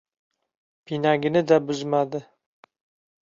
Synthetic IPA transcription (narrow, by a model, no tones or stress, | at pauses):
pʰinaɡʲɪnɪd̪abʊzmad̪ɪ